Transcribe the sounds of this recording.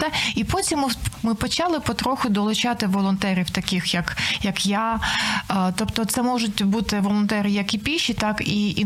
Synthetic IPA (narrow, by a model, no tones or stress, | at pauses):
ipɔtʲimːmɪpɔt͡ʃɑlˠɪpɔt̪ɾɔxʊd̪ɔlˠʊt͡ʃɑt̪ɪʋɔlˠɔnt̪ɛɾʲiwt̪ɐkɪxjɐkjɐkja | t̪ɔpt̪ɔt̪sɛmɔʒʊt̚ʲbut̪ɪʋɔlˠɔnt̪ɛɾɪjɐkipʲiʃit̪ɑkii